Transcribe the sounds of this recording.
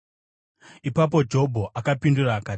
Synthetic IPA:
ipapo̞d͡ʒo̞bʱo̞ʔakapinduraːkaː

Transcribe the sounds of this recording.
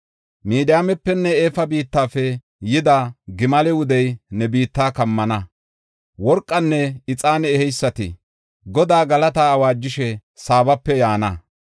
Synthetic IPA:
miːd̪ɪjaːmɛpːɛnːɛeːfɐbiːt̪ːaːfɛ | jɪd̪aɡɪmɐlɛwʊd̪ɛjnɛbiːt̪ːaːkɐmːɐnɐ | wɔɾkʼːɐnːɛɪt͡sʼaːnɛːhɛjsːɐt̪ɪ̰ | ɡɔd̪aːɡɐlɐt̪aːɐwaːd͡ʒːɪʃɛsaːbɐpːɛjaːnɐ

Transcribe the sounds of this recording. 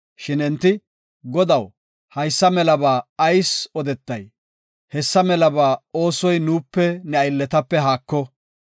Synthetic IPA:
ʃɪnɛnt̪ːɪ | ɡɔd̪ɐw | hɐjsːɐmɛlɐbaːɐjsɔd̪ɛt̪ːɐj | hɛsːɐmɛlɐbaːo̞ːsɔjnuːpːɛnɛɐjlːɛt̪ɐpːɛɦaːkːɔ

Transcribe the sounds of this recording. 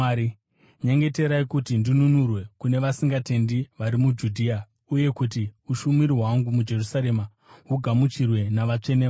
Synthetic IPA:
ɲeŋɡe̞te̞ɾaikutindinunurwe̞kune̞ʋasiŋɡate̞ndiʋaɾimud͡ʒudʱia | uje̞kutiuʃumiɾiwaŋɡumud͡ʒe̞rusaɾe̞ma | ɦuɡʱamut͡ʃirwe̞naʋat͡ʂe̞ne

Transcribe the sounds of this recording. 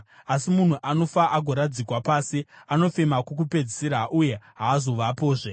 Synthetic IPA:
asimun̤uʔano̞faʔaɡʱoɾad͡zikwapaːsiano̞fe̞makuk̬upe̞d͡zisiɾaʔuje̞ɦaːzo̞ʋapoːʐe

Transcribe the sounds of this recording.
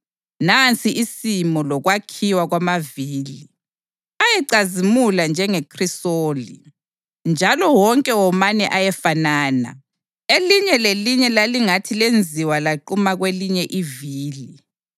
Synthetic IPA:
nant͡sʼiʔisimɔlɔɣwakʰiwaɣwamaviːli | ajɛǀazimuland͡ʒʱɛŋekʰrisoːlḭ | nd͡ʒʱalɔwɔŋkʼɛwɔmanɛʔajɛfanaːna̰ | eliɲɛleliɲɛlaliŋatʰilend͡zʱiwalaǃumaɣweliɲɛʔiviːli

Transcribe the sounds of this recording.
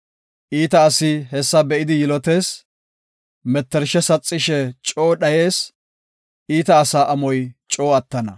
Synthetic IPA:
ʔiːt̪ɐːsɪhɛsːɐbɛʔɪd̪ɪjɪlɔt̪e̞ːs | mɛt̪ːɛɾʃɛsɐt͡sʼːɪʃɛt͡ʃʼo̞ːɗɐje̞ːs | ʔiːt̪ɐːsaːʔɐmɔjt͡ʃʼo̞ːɐt̪ːɐnɐ

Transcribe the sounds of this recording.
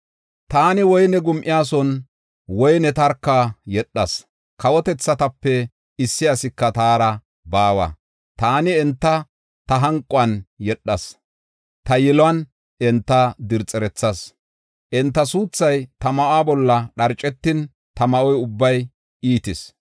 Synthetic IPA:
t̪aːnɪwɔjnɛɡʊmʔɪjaːs̬ɔn | wɔjnɛt̪ɐɾkːajɛɗːɐs | kɐwɔt̪ɛt͡sːɐt̪ɐpːɛ | ɪsːɪɐsɪkːɐt̪aːɾɐ | baːwɐ̰ | t̪aːnɪɛnt̪ːɐ | t̪ɐɦɐŋkʼːʊɐnjɛɗːɐs | t̪ɐjɛlɐn | ʔɛnt̪ːɐd̪ɪɾt͡sʼːɛɾɛt͡sːɐs | ʔɛnt̪ːɐsuːt͡sːɐjt̪ɐmɐʔaːbɔlːɐɗɐɾt͡ʃʼːɛt̪ːɪn | t̪ɐmɐʔɔjʊbːɐj | iːt̪ɪs

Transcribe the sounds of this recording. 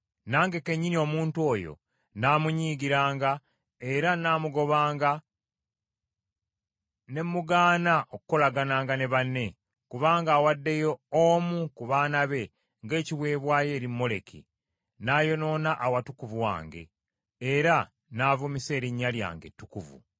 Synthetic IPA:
naːŋɡe̞ke̞ɲːinio̞muːntuo̞ːjo̞̰ | naːmuɲiːɡiɾaːŋɡa | e̞ɾanaːmuɡo̞βaːŋɡa | ne̞mːuɡaːnaʔokuko̞laɡanaːŋɡane̞βanːe̞ | kuβaːŋɡaːwadːe̞joomukuβaːnaβe̞ | ŋɡe̞ːciβwe̞ːβwaːje̞ːɾimːo̞le̞kḭ | naːjo̞no̞ːnaʔawatukuvuwa̰ːŋɡe̞̰ː | ɾa | naːvumise̞ːɾiɲːalja̰ːŋɡe̞̰tːukuvṵ

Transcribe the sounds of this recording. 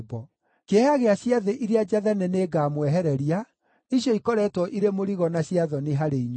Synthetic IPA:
bɔ | kehaɣeaɕjaðeʔiɾead͡ʒaðɛnɛneɡaːmwɛɦɛɾɛɾia | iɕjɔikɔɾɛtwɔʔiɾemoɾiɣɔnaɕiaðɔneɦaɾeiɲ

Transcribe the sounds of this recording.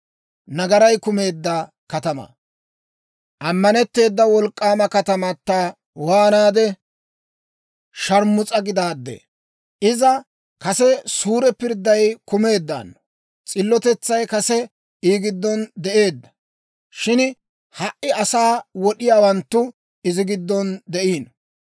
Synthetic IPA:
nɐɡɐɾɐjkʊme̞ːd̪ːɐ | kɐt̪ɐmɐ̰ | ʔɐmːɐnɛt̪ːe̞ːd̪ːɐwɔlkʼːaːmɐkɐt̪ɐmɐt̪ːɐ | waːnaːd̪ɛ | ʃɐɾmːʊt͡sʼɐɡɪd̪aːd̪ːḛ | ʔɪzɐ | kɐsɛsuːɾɛpɪɾd̪ːɐjkʊme̞ːd̪ːa̰ːnː | t͡sʼɪlːɔt̪ɛt͡sːɐjkɐsɛ | iːɡɪd̪ːɔnd̪ɛʔe̞ːd̪ːɐ̥ | ʃɪn | hɐʔɪɐsaːwɔɗɪjaːwɐnt̪ːʊ | ɪzɪɡɪd̪ːɔnd̪ɛʔiːn

